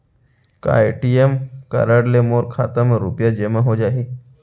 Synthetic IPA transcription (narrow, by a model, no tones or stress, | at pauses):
ka̰eʈiemkə̰ɾəɽlemoːɾkʰaːt̪əmẽɾupjad͡ʒemaɦod͡ʒaːɦi